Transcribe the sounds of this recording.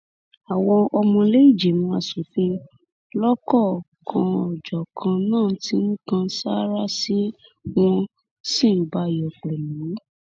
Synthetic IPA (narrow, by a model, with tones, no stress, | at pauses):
a˨w̃ɔ̃˧ʔɔ˧mɔ̃˧le˦i˦˨d͡ʒe˨mũ˧a˧˨su˨˦fĩ˧ | lɔ˦kɔ˦˨ | kʰã˧ɔ˨d͡ʒɔ˨kʰã˧nãː˦˨ti˧˦n̩ĩ˦kã˧sa˦ɾa˦si˦w̃ɔ̃˧ | sĩ˦˨ba˨˧jɔ˨k͡pɛ˨mĩ˨˦